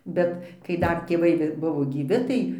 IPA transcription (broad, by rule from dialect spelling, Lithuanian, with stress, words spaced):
ˈbʲɛt kɐɪ ˈdɐr tʲeːˈʋɐɪ ɡʲɪ ˈbʊʋoː ɡʲiːˈʋʲɪ ˈtɐɪ